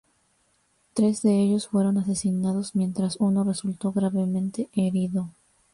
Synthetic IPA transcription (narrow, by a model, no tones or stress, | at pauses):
t̪ɾe̞zðe̞e̞ʝo̞sfwe̞ɾo̞nase̞sinað̞o̞zmjẽ̞nt̪ɾasuno̞re̞sult̪o̞ɣɾaβe̞mẽ̞nt̪e̞ʔeɾiðo̞